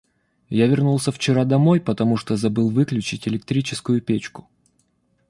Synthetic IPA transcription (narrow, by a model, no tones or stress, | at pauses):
javʲɪrnulˠsʲəft͡ɕɪɾad̪ɐmo̞jpət̪ɐmuʂt̪ozɐbɨlˠvɨklʲʉt͡ɕɪtʲɪlʲɪk̚t̪ɾʲit͡ɕɪskʊjʊpʲet͡ɕkʊ̥